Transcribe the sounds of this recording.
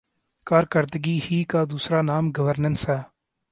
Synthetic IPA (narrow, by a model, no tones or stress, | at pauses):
kaːɾkəɾd̪əɡiːhiːkaːd̪uːsɾaːnaːmɡəʋəɾnənsɦɛː